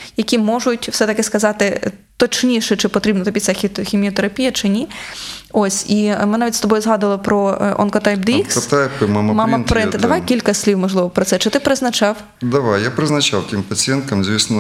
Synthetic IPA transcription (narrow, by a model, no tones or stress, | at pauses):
jɐkʲimɔʒʊtʲwsɛt̪ɐkɪskɐzɑt̪ɪt̪ɔt͡ʃnʲiʃɛt͡ʃɪpɔt̪ɾʲibnɔt̪ɐbʲit̪ʲsʲxʲxʲimʲiɔt̪eɾɐpʲijɐt͡ʃɪnʲi | ɔsʲimɪnɑʋʲitʲst̪ɔbɔjʊzɦɑd̪ɐlˠɔpɾɔʔɔ̰nkɔt̪ɛjp̚d̪ɪikst̪ɛjpmamɐmɑmɐp̪pɾɪnt̪d̪ɐʋɑjkʲilʲkɐsʲlʲiwmɔʒlˠɪʋɔpɾɔt̪sɛt͡ʃɪt̪ɪpɾɪznɐt͡ʃɑw | d̪ɐʋajjapɾɪznɐt͡ʃawt̪ʲimpɐt͡sʲɪjɛnt̪ɐmzʲʋʲisnɔ